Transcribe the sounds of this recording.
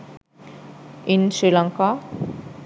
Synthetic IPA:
insɾilʌŋka

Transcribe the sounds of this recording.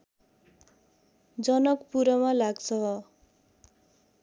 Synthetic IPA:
d͡zʌnʌkpuɾʌmalaɡt͡sʰʌɦ

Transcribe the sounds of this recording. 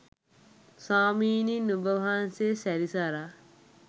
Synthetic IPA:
saːmiːninubəʋaɦansesæɾisaɾa

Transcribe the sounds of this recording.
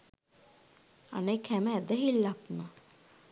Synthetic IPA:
a̰nekhæməæd̪əɦilːapnə

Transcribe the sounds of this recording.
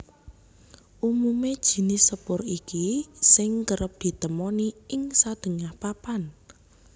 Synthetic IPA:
ʔumumed̥ʒ̥i̤nɪsəpʊrikisɪŋkəɾəp̚d̪̥i̤t̪əmɔniɪŋsad̪̥ə̤ŋahpapan

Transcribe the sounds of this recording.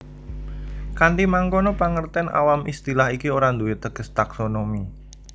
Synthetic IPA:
kandimaŋkonɔpaŋərt̪ɛnʔa̰wamʔist̪ilaɦikioɾand̪uɪt̪ːəɡ̥əst̪aksonomi

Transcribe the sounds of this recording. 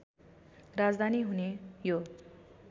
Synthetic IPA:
rad͡zd̪ʱaniɦunejo

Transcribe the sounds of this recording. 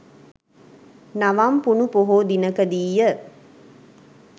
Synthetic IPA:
naʋampunupoɦoːd̪inəkəd̪iːjːə

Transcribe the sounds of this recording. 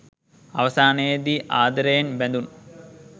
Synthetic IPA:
ɐʋɐsaːneːd̪iʔaːd̪ɐɾejɐnbend̪un

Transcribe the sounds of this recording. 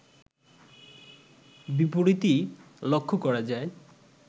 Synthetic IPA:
bipoɾit̪i | lokʰːukɔɾad͡ʑae

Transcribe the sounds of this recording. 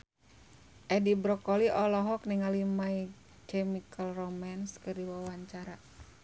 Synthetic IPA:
ʔɛdibɾɔkɔliʔɔlɔɦɔkniŋalimai | kɛmikəlrɔmanskɨrdiwawaɲt͡ʃaɾa

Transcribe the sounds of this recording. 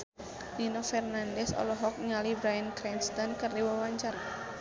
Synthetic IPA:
ninɔfɛrnandɛsɔ̰lɔɦɔk̚ɲalibɾajənkɾɛnst̪ɔnkɨrdiwawaɲt͡ʃara

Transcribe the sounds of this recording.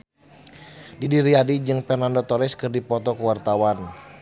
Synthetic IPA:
didiɾiadid͡ʒɨŋpɛnandɔt̪ɔɾɪskɨrdipɔt̪ɔkuwart̪awan

